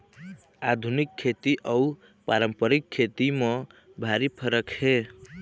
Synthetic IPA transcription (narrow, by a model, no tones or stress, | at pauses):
ad̪ʱunikʰːet̪iʔʌw | paɾəmpʌɾikʰːet̪imʌ̃bʱaɾipʰʌɾʌkhe